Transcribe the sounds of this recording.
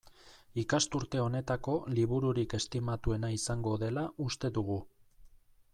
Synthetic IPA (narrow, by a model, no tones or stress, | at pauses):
ikast̪uɾt̪e̞o̞ne̞t̪ako̞liβ̞uɾuɾike̞st̪imat̪ue̞naisaŋɡo̞ðe̞laʔust̪e̞ðuɣu